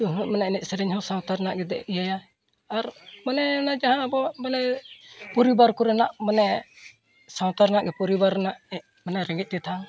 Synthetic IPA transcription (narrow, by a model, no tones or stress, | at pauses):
uɦumɛnaɛnɛt̪̚sɛɾɛɲhɔ̃sawt̪aɾnaʔɡɛd̪ɛ̰ijaja | aɾmanɛnad͡ʒaɦãbɔmanɛpɔɾibaɾkuɾɛnaʔmanɛ | sawt̪aɾnaʔɡɛpɔɾibaɾɛnaʔɛ | mɛnaɾɛŋɡɛc̪̚ˀt̪ɛt̪ʰa